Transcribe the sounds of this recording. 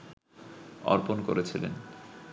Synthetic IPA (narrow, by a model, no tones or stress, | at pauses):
ɔ̰ɾponko̰ɾʔet͡ɕʰilḛn